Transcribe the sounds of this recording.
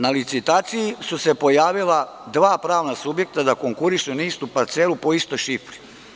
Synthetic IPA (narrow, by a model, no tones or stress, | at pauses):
nalit̪sit̪aːt̪sijisuse̞po̞jaːʋila | d̪ʋaːpɾaːʋnasubje̞k̚t̪ad̪ako̞ŋkuɾiʃuniːst̪upaɾt̪seːlupo̞ist̪ojʃifɾi̥